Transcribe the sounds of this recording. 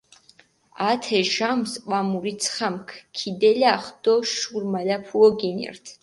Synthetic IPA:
at̪ʰɛʒamsqʼamuɾit̪sʰχamkʰkʰid̪ɛlaχd̪̥ɔʃuɾmalapʰuɔɡinɛ̰rt̪ʰ

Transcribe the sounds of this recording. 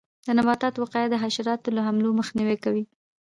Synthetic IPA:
d̪ənabɑt̪ɑt̪wɑqɑjad̪əɦaʃaɾɑt̪olaɦamloməxniwekawi

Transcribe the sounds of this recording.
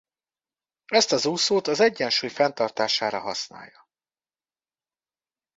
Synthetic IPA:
ɛst̪ɒzuːsoːt̪ɒzɛɟːɛnʃuːjfɛnt̪ɒrt̪aːʃaːɾɒɦɒsna̰ːjːɒ

